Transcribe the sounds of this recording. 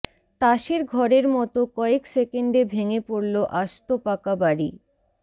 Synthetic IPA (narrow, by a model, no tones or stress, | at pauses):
t̪aʃeɾɡʱɔɾeɾmɔt̪okɔeksekeɳɖebʱeŋepoɾloʔaʃt̪opakabaɾḭ